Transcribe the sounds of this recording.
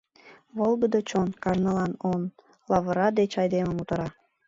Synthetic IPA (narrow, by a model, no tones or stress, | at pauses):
βolˠɡəd̪ot͡ɕonkɑʒnəlɑnon | lɑβəɾɑd̪et͡ɕɑjd̪eməmut̪əɾɑ